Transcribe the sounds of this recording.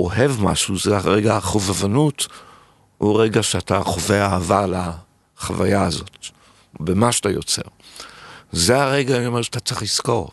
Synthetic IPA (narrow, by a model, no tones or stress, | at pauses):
oɦevma̰ʃuzeaʁeɡaaχovavanut | uʁeɡaʃeataχoveaːvala | χava̰jaːzo̞̰t | bemaʃatajo̞t͡sḛʁ | zeaʁeɡaomeʁʃḁt̪at͡seχlisko̞ʁ